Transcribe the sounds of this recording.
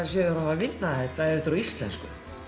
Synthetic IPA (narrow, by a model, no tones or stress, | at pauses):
sjɛɾavavɪnːahɛht̪aɛɪt̪ɾɔist̪lɛ̰nskʏ̰